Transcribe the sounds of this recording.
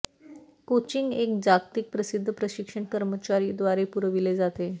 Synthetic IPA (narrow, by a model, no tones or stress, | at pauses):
kot͡ɕiŋɡekd͡zaɡt̪ik̚pɾəsid̪ʱːəpɾəɕikʂəɳkəɾmət͡ɕaɾiːd̪ʋaɾepuɾəʋiled͡zat̪e